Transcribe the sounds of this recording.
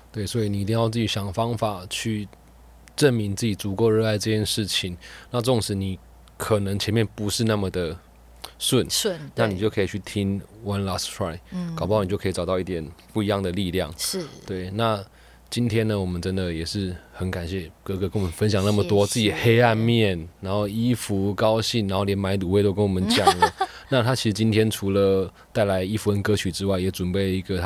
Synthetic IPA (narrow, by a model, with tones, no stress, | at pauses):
t̪we˥˩ɪswɔ˧˥i˨ni˨˩i˧˥i˥˧ŋjɑ˥˧ʊt͡s̬ɹ̩˥˩t͡ɕi˧˥ɕjɑ˨˩ŋfɑ˥ŋfa˨˩t͡ɕʰy˥˩˧ | ʈ͡ʂə˥˩nmi˧˥ŋt͡s̩˥˩t͡ɕi˨˩t͡su˧˥ko˥˧ʊɻ̩˥˧a˥˧ɪʈ͡ʂɤ˥˧˩t͡ɕʰjɛ˥˧nʂɻ̩˥˩t͡ɕʰi˨˦ŋna˥˩ʈ͡ʂə˥˩ʊ˨˩ŋʂɻ̩˧˥ni˨˩ | kʰə˨˩nə˧˥ŋt͡ɕʰjɛ˧˥nmjɛ˥˩npu˧˥ʂɻ̩˥˧na˥˩mə˨˩d̪ə˩ | swə˥˩n˥˨na˥˩ni˨˩t͡ɕjo˥˩ʊkʰɤ˧˥i˨t͡ɕʰy˥˩t̪ʰi˦ŋwa˦˥nla˧˥stʰɹa˥˩ɪkpɑ˥˩n˨˩jo˥˧kʰi˨˩ʈ͡ʂɑ˨˩ʊt̪ɑ˥˧ʊi˥˩t̪ʰjɛ˨˩npu˥˩i˧˥jɑ˥˩ŋd̪ə˩li˥˧ljɑ˥˨˩ŋ˥t̪we˥˩ɪna˥˩ | t͡ɕi˦˥nt̪ʰjɛ˥nə˨wɔ˨˩mə˦nʈ͡ʂə˦nd̪ə˨jɛ˨˩ʂɻ̩˥˩xə˧˥nka˨˩nɕjɛ˥˩kɤ˥˧kɤ˧˩kə˦nwɔ˨mə˦nfə˦nɕ̬jɑ˨˩ŋna˥˩mə˨˩t̪wɔ˥˦t͡sɹ̩˥˩t͡ɕi˨˩xe˥ɪa˥˧nmjɛ˥˩nɻa˧˥nxo˥˩ʊi˦˥fu˧˥kɑ˥ʊɕi˥˩nɻa˧˦nxo˥˩ʊljɛ˧˥nma˧˥ɪt̪u˨˩we˥˩ɪt̪o˥ʊkə˦nwɔ˨˩mə˦nt͡ɕjɑ˨˩ŋlə˦na˥˧t̪ʰa˥t͡ɕʰi˧˥ʂɻ̩˧t͡ɕi˥nt̪ʰjɛ˥nʈ͡ʂʰu˧˥lə˨ | t̪a˥˩ɪla˧˥ɪi˥fu˧˥ə˦nkɤ˥t͡ɕʰy˨˩ʈ͡ʂɻ̩˥wa˥˩ɪjɛ˨˥ʈ͡ʂwə˨˩npe˥˩ɪlə˩i˧˥ɡə˨